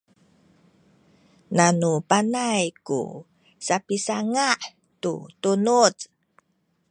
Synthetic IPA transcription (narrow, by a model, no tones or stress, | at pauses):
nanupanajkṵ | sapisaŋaʔ | tṵtunut͡s